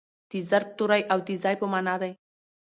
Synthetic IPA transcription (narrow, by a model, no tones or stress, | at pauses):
d̪̥izɐɾp̚t̪uɾajʔawd̪izajpəmanad̪aj